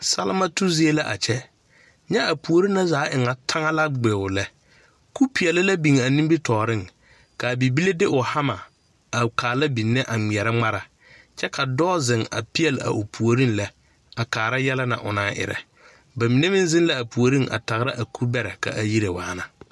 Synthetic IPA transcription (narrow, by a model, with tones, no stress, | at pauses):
sa˦lɪ˦ma˦tu˦zi˦e˦la˦ʔa̰˨t͡ʃɛ˦ | ɲɛ˦a˨pu˨o˨ɾi˦na˦zaː˨˦ʔɪ˨ŋa˨tʰa˦ŋa˦la˦ɡ͡be˨ʊ˨lɛ˦ | ku˦pi˨ɛ˨lɪ˦la˦bi˨ŋ˨a˨nĩ˦mbi˦tɔː˨ɾɪ˦ŋ | ka˨bi˨bi˦le˦dɪ˦ʔʊ˨ha˦ma˨ | a˨kʰaː˨la˦bi˨nːɛ˦ʔa˨ŋ͡mi˨ɛ˨ɾɛ˦ŋ͡ma˦ɾa˨ | t͡ʃɛ˦kʰa˨dɔː˦zɪ˨ŋa̰˨pi˦jɛ˨la̰˨ʔʊ˨pʰu˨o˨ɾi˦n˦lɛ˦ | a˨kaː˨ɾa˦jɛ˦la˦na̰˨ʔʊ̰˨naː˦ʔɪ̰˨ɾɛ̰˨ | ba˨mi˨ne˦mɪ˦n˦zɪ˦n˦la˦a˨pu˨o˨ɾi˦ŋʔa̰˨ta˨ɣɾa˦ʔa˨ku˦bɛ˦ɾɛ˨ka̰˨ʔa˨ji˦ɾe˨waː˨˦na˨